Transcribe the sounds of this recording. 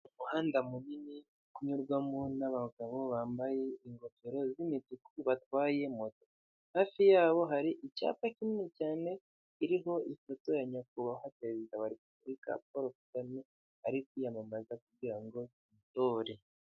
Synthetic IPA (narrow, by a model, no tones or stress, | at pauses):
muhaːndamunini | kuɲuɾɡwamonaβaɡaβo̞βaːmbaje̞iŋɡo̞peɾo̞zimitikuβatwaːje̞moto̥ | haːfijaːβo̞ɦaɾiʔica̰ːpaciminicaːne̞ | iɾiɦo̞ifo̞to̞jaɲak̚uβahapeɾezidawaɾip̚uβɾika̰p̚oɾokukami | aɾikujamamazakubɟiɾaŋɡo̞intoːɾe